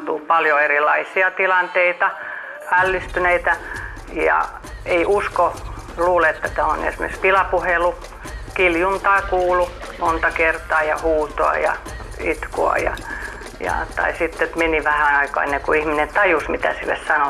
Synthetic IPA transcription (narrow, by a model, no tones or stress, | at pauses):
t̪upɑljoerilːˑɑisiɑt̪ilɑnt̪eit̪ɑ | ælːist̪yneit̪æ | jɑ̰ | eiʔuskoluːleet̪ːæt̪æo̰nḛsmḛkspilɑpuhelu | kiljunt̪ɑːkuːlu | mont̪ɑkert̪ɑːjɑ̰huːt̪oɑ̰jɑ̰ | it̪ko̰ɑ̰jɑ̰ | jɑ̰t̪ɑ̰isit̪ːet̪meniʋæhænɑikɑ̰ːenːeŋkuihminent̪ɑjusmit̪æ̰silːḛssɑno